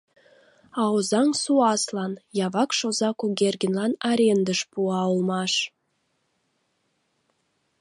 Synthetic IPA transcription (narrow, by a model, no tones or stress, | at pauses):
ɑozɑŋsuɑslˠɑnjɑβɑkʃozɑkuɡʲerɡʲenlˠɑnɑɾʲend̪əʃpuɑulˠmɑʃ